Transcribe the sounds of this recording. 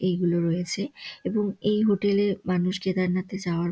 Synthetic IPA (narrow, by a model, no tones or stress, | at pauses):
ejɡuloɾojet͡ɕʰeeboŋejɦoʈelemanuʃket̪aɾnat̪ed͡ʑaoaɾ